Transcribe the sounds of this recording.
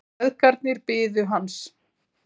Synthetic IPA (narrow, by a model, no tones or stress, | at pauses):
ðkaɾt̪̚nɪɾpɪːðʏɦans